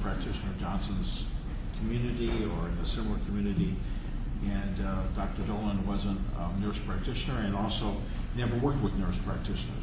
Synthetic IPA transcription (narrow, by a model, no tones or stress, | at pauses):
pʰɹ̥æk̚tʰɪʃnə˞d͡ʒɑ̃nsə̃nz̥ | kʰmjʉnɨɾiə˞ɨ̃nɨsɪ̃ml̩ˠə˞kʰmjʉnɨɾi | ɨ̃ndɑk̚tə˞doʊlˠə̃nwʌzə̃nt | nɜ˞spʰɹ̥æk̚tʰɪʃɨnə˞ɨ̃nɔlˠsoʊ | nɛvə˞wɜ˞k̚t̚wəðnɜ˞spʰɹ̥æk̚tʰɪʃɨnə̰˞